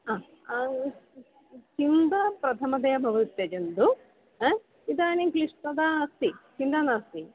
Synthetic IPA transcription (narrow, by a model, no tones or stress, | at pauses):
aː | t͡ʃind̪ɐpɾɐt̪ʰɐmɐd̪ɐjɐbʱɐʋut̪jɐd͡ʒɐnd̪u | id̪aːnikliʂʈɐd̪ast̪it͡ʃind̪anaːst̪i